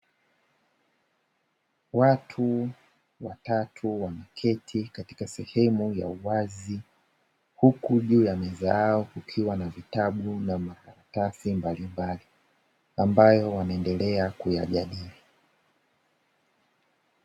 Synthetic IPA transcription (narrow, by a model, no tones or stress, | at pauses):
watʰu | watatʰuwanakʰɛtʰikati̥kasɛhɛmuja̰uwazi | hukuʄuːjamɛzajaɔkukʰiwanavitaɓunamakaɾatasimbalimbali | ambajɔwanaɛndɛlɛakuja̰ʄaɗili